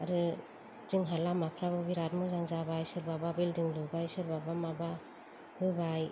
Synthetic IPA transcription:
aɾɯ | zɯŋɦalamapʰɾaβɯbiɾat̚mɯzaŋzabajsɯɾbababildiŋlubajsɯɾbabamaba | hɯbaj

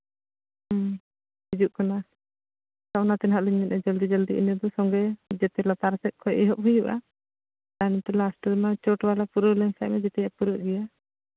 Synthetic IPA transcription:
bid͡ʒuʔkɔna | sawnat̪ɛnɦaʔliɲmɛnɛd͡ʒəld̪id͡ʒəld̪iʔḭnəd̪ɔsɔŋɡɛd͡ʒɛt̪ɛlat̪aɾsɛt̪̚kʰɔjʔɛɦɔʔ̚ɦujuʔa̰ | t̪ant̪ɛlasʈɔɾnat͡ʃɔʈwalapuɾɔlɛmsa̰jmɛd͡ʒɛt̪ɛjaʔpuɾɔɡɛja

